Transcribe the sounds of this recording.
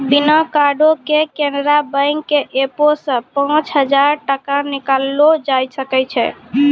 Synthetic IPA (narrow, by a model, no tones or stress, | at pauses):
binəkaɖokekenɾabə̃jŋɡkeʔeposə̃pãt͡ʃɦəd͡ʒaɾʈəkanikalːod͡ʒajsəkɛt͡ʃʰɛ̰